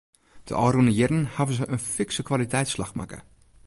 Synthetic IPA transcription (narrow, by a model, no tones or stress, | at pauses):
d̥ə̰ʔɔːrunəjɛdənhavəzəʔənfɪksəkʋalitɛjtslaxma̰kə̰